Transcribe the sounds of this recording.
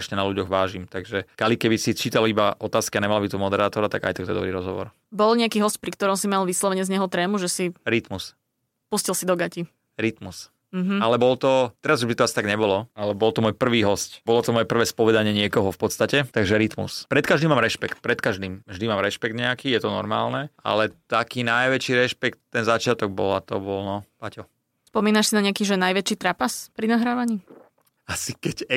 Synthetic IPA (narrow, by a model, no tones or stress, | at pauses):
ʃɲɛnaluɟɔɣʋaːʒimt̪aɡʒɛkalikɛbisit͡ʃiːt̪alibaʔɔt̪aːskiaɲɛmalabit̪umɔd̪ɛɾaːt̪ɔɾat̪a̰ɡa̰jt̪ak̚t̪ɔɛd̪ɔbɾiːɾɔzɦɔʋɔ̰ɾ | bɔlɲɛakiɦɔsc̚pɾikt̪ɔɾɔmsimalʋislɔʋɛɲɪɛzɲɛɦɔt̪ɾɛːmuʒɛsiɾit̪mus | puscilsid̪ɔɡaci | ɾit̪mus | m̩ɦalɛbɔlt̪ɔt̪ɛɾazubit̪ɔasi̥t̪aɡɲɛbɔlɔalɛbɔlt̪ɔmɔjpr̩ʋiːɦɔscbɔlɔt̪ɔmɔjɛpr̩ʋɛːspɔʋɛd̪aɲɪɛɲɪɛkɔɦɔfpɔt̪st̪acɛt̪aɡʒɛɾit̪mṵspɾɛt̪kaʒd̪imaːmɾɛʃpɛkt̪̚pɾɛt̪kaʒd̪iːmvʒd̪imaːmɾɛʃpɛɡ̚d̪ɲɛakiːjɛt̪ɔnɔ̰ɾma̰ːlnɛa̰lɛt̪akiːnajʋɛt͡ʃiːɾɛʃpɛkt̪ːɛnzat͡ʃɪat̪ɔɡ̚bɔ̰lat̪ɔ̰bɔlnɔpacɔ | spɔmiːnaʃsinaɲɛakiːʒɛnajʋɛt͡ʃiːt̪ɾapaspɾinaɦɾaːʋaɲiː | asikɛcɛ